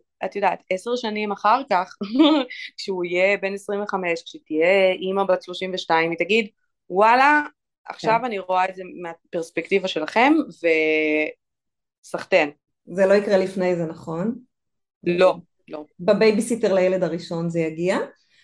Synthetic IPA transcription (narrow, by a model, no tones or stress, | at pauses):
at̪jodaːt̪ese̞ʁʃanimaχaʁkaχ | kʃeuijebe̞nesʁimveχame̞ʃkʃetijeʔimabadʃlo̞ʃimveʃtaimit̪aɡid | wala | ʔa̰χʃavaniʁo̞aetzemeape̞ʁspekt̪ivaʃe̞laχe̞mve | saχt̪en | zeloikʁelifnejzenaχo̞n | lo̞ | lo̞bebejbisiteʁlajeledaʁiʃo̞nzejaɡia